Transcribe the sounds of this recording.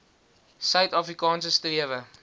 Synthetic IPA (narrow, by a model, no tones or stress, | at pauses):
sœɥtɑːfrikɑːns̬əstriəvə